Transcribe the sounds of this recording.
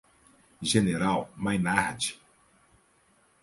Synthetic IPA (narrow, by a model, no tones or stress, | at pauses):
ʒeneɾawmajnaɾd͡ʒi